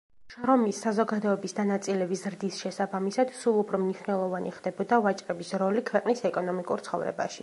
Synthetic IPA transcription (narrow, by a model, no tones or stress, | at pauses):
ʃɾɔmisːazɔɡad̪ɔɛbisd̪anat̪sʼilɛbizɾd̪isʃɛsabamisad̪̥sulˠupʰɾɔmniʃnɛlˠɔvaniχd̪ɛbɔd̪avat͡ʃʼɾʼɛbisɾɔlikʰwɛqʼnisɛkʼɔnɔmikʼṵɾt̪sχɔ̰vɾɛ̰ba̰ʃḭ